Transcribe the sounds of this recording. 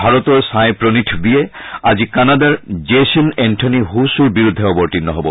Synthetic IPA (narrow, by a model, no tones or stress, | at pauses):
bʱaɹɔt̪ɔɹsajpɹɔnitʰbijɛazikanadaɹd͡ʒesɔnɛntʰɔniɦusuɹbiɹud̪ʱːɛɔbɔɹtinːɔɦɔbɔ